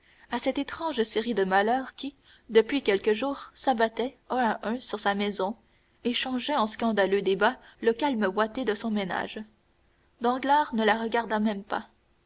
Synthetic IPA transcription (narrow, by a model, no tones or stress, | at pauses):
asɛt̪et̪χɑ̃ʒseʁid̪əmalœːʁkʲi | d̪əpɥikʲɛlkəʒuːʁsabat̪ɛ | œ̃aʔœ̃syʁsamɛzɔ̃ | eʃɑ̃ʒɛɑ̃skɑ̃d̪alød̪ebaləkalməvwat̪ed̪əsɔ̃mena̰ːʒ | d̪ɑ̃ɡlaːʁnəlaʁəɡaʁd̪amɛmpa